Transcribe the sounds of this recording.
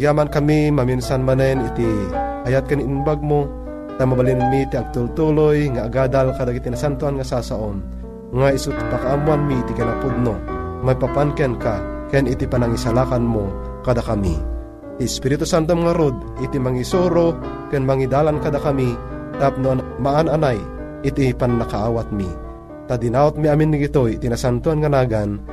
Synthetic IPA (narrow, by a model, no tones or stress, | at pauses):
jaːmankamimaminsanmanɛnit̪i | ajat̪̚kaniinbaɡ̚mo | t̪amabalinmit̪iaɡ̚t̪ult̪ulojŋaʔːɡaːd̪alkad̪akit̪inasant̪oanŋasasaʔon | ŋaisut̪pakaʔamuanmit̪ikanapud̪̚nomapapankɛnkakɛnit̪ipanaŋisalaːkanmo | kad̪akamḭ | t̪iɛspiɾit̪usant̪̬omaŋaɾod̪̚ | it̪imaŋisoɾo | kɛnmaŋid̪aːlankad̪akamit̪ap̚nomaʔananaj | ɪt̪ipanːakaʔaːwat̪̚mi | t̪ad̪inaːot̪̚miaminːiɡit̪ojt̪inasant̪uanŋanaːɡan